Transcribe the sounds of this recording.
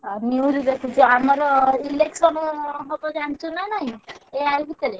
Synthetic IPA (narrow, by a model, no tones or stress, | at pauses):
aniuɾid̪ekʰut͡ʃuamaɾɔileksɔnɦot̪ɔd͡ʒaɳt͡ʃunanaɦĩeajlbʱit̪əɾe